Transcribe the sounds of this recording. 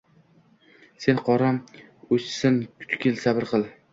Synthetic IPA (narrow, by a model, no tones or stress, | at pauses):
se̞nqʰɒɾam | ot͡ʃsɪnkʰʊ̥t̪ʰkʲʰelsabɪɾqʰɨlˠ